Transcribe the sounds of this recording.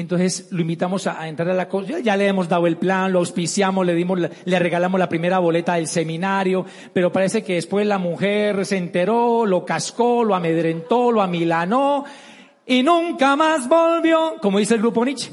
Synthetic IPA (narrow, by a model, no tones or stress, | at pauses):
ent̪onsesloimbit̪amo̞saːent̪ɾaɾalakoad͡ʒaleemo̞zd̪aðwoe̞lplanloawspisjamozle̞ðimoleare̞ɣalamozlapɾime̞ɾaβo̞le̞t̪aðe̞lse̞mĩnaɾjo̞ | pe̞ɾo̞paɾe̞se̞ke̞ðe̞spwe̞zlamuxe̞ɾsent̪e̞ɾolo̞kaskoloame̞ðɾe̞nt̪o̞lwamilano | inũŋkamazbolbjokomoðiselɡɾupo̞nit͡ʃe̥